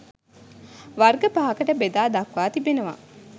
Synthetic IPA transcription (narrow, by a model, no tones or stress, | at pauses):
ʋarɡəpaɦɐkəʈəbed̪aːd̪ɐkʋaːt̪ibenəʋa̰